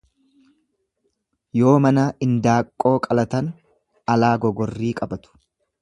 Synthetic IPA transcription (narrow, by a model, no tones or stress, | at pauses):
jo̞ːmɐnaːʔɪnd̪aːkʼːo̞ːkʼɐlɐt̪ɐn | ɐlaːɡɔɡɔrːiːkʼɐbɐt̪ʊ̥